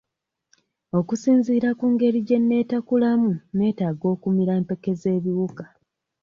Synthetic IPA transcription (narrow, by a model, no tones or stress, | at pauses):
o̞kusiːnziːɾakuːŋɡe̞ɾiɟe̞nːe̞ːtakulamune̞ːtaːɡo̞ːkumiɾaempe̞ke̞ze̞ːβiwukḁ